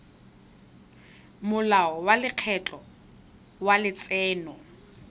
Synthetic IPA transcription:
mʊlaɔwalɪq͡χʰɛt͡ɬʼɔ | walɪt͡sʼɛːnɔ

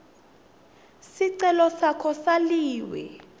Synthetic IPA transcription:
siǀɛlɔsakʰɔsaliːwɛ̰

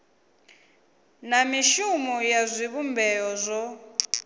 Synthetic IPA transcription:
namiʃumɔjazʷiβumbʱɛɔzʷɔ

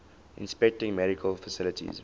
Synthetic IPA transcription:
ʔɪ̰̃nspɛk̚tɪ̃ŋmɛɾikʰəlfəsɪlətʰḭz

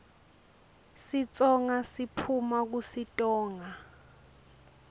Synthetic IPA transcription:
sit͡sʼɔŋasipʰumak̬usitʼɔːŋa

